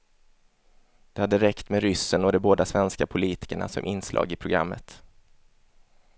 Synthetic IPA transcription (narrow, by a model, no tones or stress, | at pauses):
d̪̥ɛhad̪ːəɾɛkt̪meɾʏsːənoːd̪ɛboːd̪asvɛnskapʰʊliːt̪ɪ̥kəɳa̰sɔ̰mʔɪnslʔɑ̰ːɡɪpʰɾʊɡɾa̰mːə̰t̪